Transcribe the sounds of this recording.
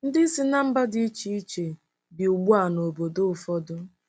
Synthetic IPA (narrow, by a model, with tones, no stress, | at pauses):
n̩˦dɪ˦si˦na˦m̩˦ba˦dɪ˦i˦t͡ʃi˦i˦t͡ʃe˨ | bɪ˨u˨ɡ͡bu˦a˨no˨bo˨dʊ˦ʊ˨fɔ˦dʊ˦